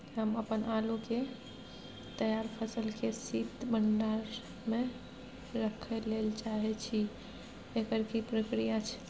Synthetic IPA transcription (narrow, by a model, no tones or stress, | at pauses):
ɦəməpənʔaluke | t̪əjaɾpʰəsəlkesit̪bəɳɖaɾ | me | ɾəkʰəlelt͡ʃaɦɛt͡ʃʰi | ekəɾkipɾəkɾijat͡ʃʰ